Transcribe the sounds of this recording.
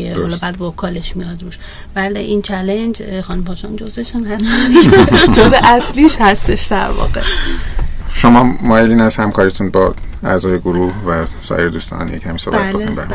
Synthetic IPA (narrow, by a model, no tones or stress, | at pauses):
ehɒlɒːbæːd̪vokʰɒːleʃmijɒd̪ɾuːʃ | bæld̪æʔint͡ʃʰælend͡ʒxɒːnumpʰɒʃɒnd͡ʒozeʃunhæs | d͡ʒozeʔæsliːʃhæst̪e̞ʃd̪æ̰ɾvɒ̰ɣḛ | ʃomɒːmɒːjeliːnæshæmkʰɒːɾit̪ʰunbɒæ̰zɒːjeɡoɾuːhvæsɒ̰ːjeɾed̪uːst̪ʰɒ̰njḛcʰhæmiso̰bæt̪inbæ